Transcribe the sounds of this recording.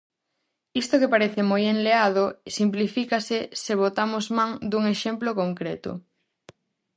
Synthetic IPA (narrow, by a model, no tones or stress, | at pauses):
ist̪okepaɾeθemojenleaðosimplifikaseseβot̪amʊzmãŋd̪uŋeʃemplokoŋkɾet̪ʊ̰